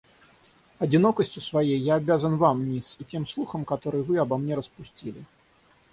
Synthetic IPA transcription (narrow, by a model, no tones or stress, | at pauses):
ɐd͡zʲinɔkɐsʲt͡sʲusvajɛjːaːbʲazɐnvamnʲisikʲimslˠuxɐmkat̪ɔɾɨvɨɐbamnʲɛɾɐspusʲt͡sʲilʲi